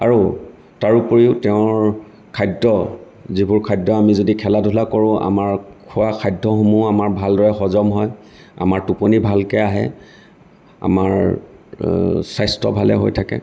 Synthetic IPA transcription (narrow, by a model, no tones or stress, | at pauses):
aɹo | taɹupoɹiʊtɛʊ̃ɹ | kʰajdɔ | zibuɹkʰajdɔamizodikʰɛladʱulakoɹʊ̃ʔa̰maɹkʰʊwakʰajdʱɔxomuamaɹbʱaldɔɹɛxɔzɔmɦɔj | a̰maɹtuponibʱalkɛaɦɛ̰ | a̰maɹ | sajstɔ̰bʱalɛ̰ɦo̰jtʰakɛ̰